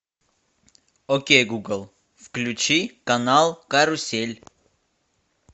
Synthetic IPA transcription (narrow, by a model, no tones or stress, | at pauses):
okʲejɡuɡəlˠ | fklʲʉt͡ɕikɐnalˠkaɾʊsʲelʲ